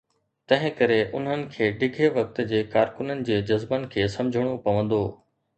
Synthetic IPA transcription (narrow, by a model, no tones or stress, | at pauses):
t̪ɐ̃ɦɪ̃kɐɾeʔʊn̤ənɪ̆kʰeːɖɪɡʱeʋɐk̚t̪̆d͡ʑeːkaːɾkʊnənɪ̆d͡ʑeːd͡ʑɐzbənɪ̆kʰeːsɐ̃md͡ʑʱəɽ̃opɐʋə̃nd̪oː